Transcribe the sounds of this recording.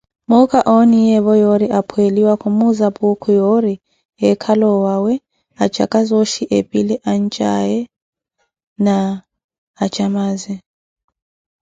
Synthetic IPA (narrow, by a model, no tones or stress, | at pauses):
mukʰaʔonijɛβɔjoɾiʔapʰweliwakʰumuzapʼukʰujoɾi | ɛkʰalɔwawɛ | at͡ʃʰʼa̰kʼazoʃiʔepʼilɛʔan̩t͡ʃʼa̰jɛ | naː | t͡ʃʰʼamaːzɛ